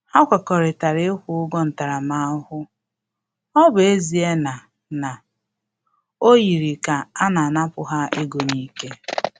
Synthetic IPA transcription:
ha˦kʷa˨kɔ˨ɾɪ˨ta˨ɾɪ˦kʷʊ˦ʊ˦ɡɔ˦n̩˨ta˨ɾa˨ma˦hʊ˦ | ɔ˦be˦zi˨e˦na˨ | na˨ | o˦ji˨ɾi˨ka˨a˦na˨na˦pʊ˨ɦa˦ʔe˦ɡo˨ɲi˦ke˦

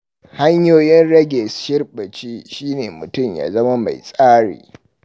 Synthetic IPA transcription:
ha˦ɲjoː˦jɪ˦nɽɐ˦ɡʲɛ˨sʃɪ˦rɓɐ˨t͡ʃiː˦ʃiː˦neː˨mʊ˨tʊ˦˨mja̰ː˨˦zɐ˦ma˦ma̰˨jsʼaː˦ɽḭː˨

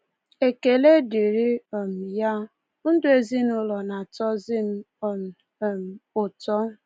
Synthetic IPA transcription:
e˨ke˨le˦di˨ɾi˦ɔ˨m̩˨ja˦ | n̩˦dʊ˦e˦zi˦nʊ˦lɔ˨na˨tɔ˦zɪ˦m̩˦˨ | m̩˨ | m̩˨ʊ˨tɔ˦

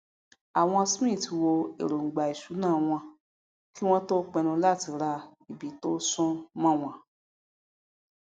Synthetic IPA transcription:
a˨w̃ɔ̃˧sĩ˦˨ti˧wo˧ḛ˨ɾo˨ɡ͡ba˨i˨ʃu˨˦nãː˦˨w̃ɔ̃˧ | ki˦w̃ɔ̃˦to˦k͡pɛ˧nũ˧la˦˨ti˧ɾa˧i˨bi˨˦to˦sɔ̃˦mã˦˨w̃ɔ̃˧˨

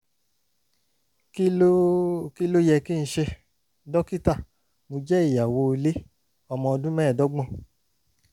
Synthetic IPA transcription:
ki˦lo˦jɛ˧ki˦˧ñ̩˦ʃɛ˧ | dɔ˦ki˦ta˦˨ | mo˧d͡ʒɛ˦i˦˨ja˨wo˧le˦ | ɔ˧mɔ̃˧ɔ˧dũ˦mɛ̃ː˦˨dɔ˨˦ɡ͡bɔ̃˦˨

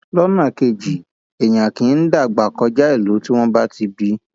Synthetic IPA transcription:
lɔ˦nã˦˨ke˧˨d͡ʒi˨ | e˨j̃ã˨kĩ˨˦n̩˦da˦˨ɡ͡ba˨kɔ˧d͡ʒa˦i˦˨lo˨˦ti˦w̃ɔ̃˦ba˦ti˧bi˧˦

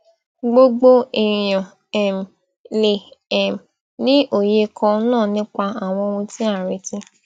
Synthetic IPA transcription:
ɡ͡bo˦ɡ͡bo˦i˨j̃ã˨ | ɛ˨m˨ | le˨ɛ˨m˨ | nĩ˦ʔo˨je˧kʰɔ̃˧˦nãː˦˨nĩ˦k͡pa˧a˨w̃ɔ̃˧wɔ̃˧tĩ˦a˦˨ɾe˨˦tĩ˧

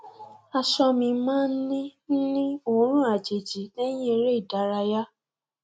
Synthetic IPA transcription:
a˧ʃɔ˧mĩ˧mãː˦n̩˦nĩ˦n̩˦nĩ˦o˨˦ɾ̃ũ˦a˨d͡ʒe˨d͡ʒi˨˦nɛ̃˦jĩ˦e˧ɾe˦i˦˨da˨˦ɾa˧ja˦

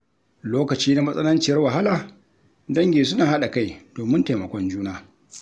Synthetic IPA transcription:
loː˦kɐ˨t͡ʃiː˦na˦mɐ˦sʼɐ˦nɐ˦nt͡ʃɪ˨jɐ˦rwa˨ɦa˦laː˨ | dɐ˦ŋɡʲeː˨s̬ʊ˦naː˨ha˦ɗa˨ka˦jd̥oː˨mɪ˦nta˨jmɐ˨kʷɔ˦nd͡ʒuː˦naː˦

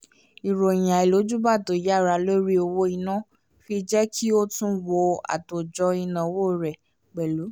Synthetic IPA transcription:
i˨ɾo˨j̃ã˨e˨lo˨˦d͡ʒu˦ba˦˨to˨ja˦˨ɾa˧˦lo˦ɾi˦o˧wo˧i˧nã˦ | fi˧d͡ʒɛ˦kʰi˦o˦tũ˦wo˧a̰˨to˨d͡ʒɔ˧i˧nã˨wo˦˨ɾɛ˨ | ɡ͡bɛ˨lu˨˦

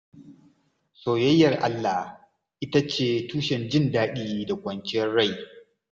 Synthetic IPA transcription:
soː˨jɐ˦jːɐ˨rʔa˦lːa˨ | ʔɪ˦ta˦t͡ʃeː˦˨tuː˦ʃɛ˨nd͡ʒɪ˦ndaː˦ɗiː˦da˨kʷɐ˨nt͡ʃɪ˦jɐ˦rɽa˦˨j

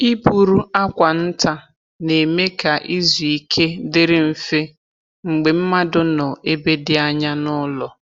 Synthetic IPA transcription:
i˦pu˨ɾu˦a˦kʷa˨n̩˦ta˦ | ne˨me˦ka˨ʔi˦zu˨i˦kʰe˦dɪ˦ɾɪ˦m̩˨fe˦ | ŋ͡m̩˨ɡ͡be˨m̩˦ma˦dʊ˦nɔ˨e˦be˦dɪ˦a˦ɲa˦nʊ˦lɔ˨

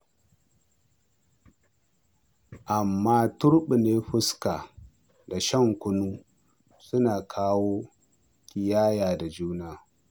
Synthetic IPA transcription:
ʔa˨mːaː˦tʊ˦ɾɓi˨neː˦ɸʊ˦ska˨ | da˨ʃɐ˦ŋkʷʊ˦nuː˦ | sʊ˦naː˨kʰaː˦woː˦ | kʲɪ˨jaː˦jaː˨da˨d͡ʒuː˦naː˦

